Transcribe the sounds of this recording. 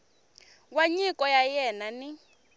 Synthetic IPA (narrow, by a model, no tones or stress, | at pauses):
waɲikʼɔjajɛnani